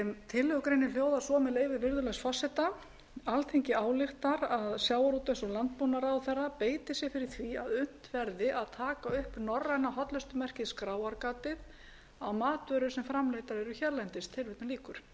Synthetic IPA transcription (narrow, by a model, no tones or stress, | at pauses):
ɛmt̪ʰɪlːœɣkɾejnɪl̥joːwðasɔmɛleːjvɪɾvɪɾðʏlɛxsfɔsɛt̪a | alθʰejɲcɪaːwlɪxt̪aɾaðsjaːwaɾuːt̪ɛnsɔlant̪poːwnaɾawθɛrːapeːjt̪ɪsjɛɣfɪɾɪɾ̥θvia̰ðʏn̥t̪vɛɾðɪʔaðt̪ʰaːkaʏhpnɔrːajnaɦɔt̪lʏst̪ʏmɛr̥cɪðskɾaːwaɾkaːt̪ɪð | awmaːt̪vœɾʏ̥sɛmfɾamlejt̪aɾɛɾʏçɛɾlɛjnt̪ɪst̪ʰɪlvɪt̪naliːkʏɾ̥